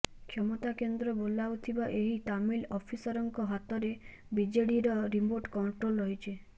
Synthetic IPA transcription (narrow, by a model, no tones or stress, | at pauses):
kʰɔmɔt̪akend̪ɾɔbolawt̪ʰibaʔeɦit̪amilɔpʰisɔɾɔŋkɔɦat̪ɔɾe | bid͡ʒeɽiɾɔɾimoɾʈkɔɳʈɾolɾɔɦjt͡ʃʰe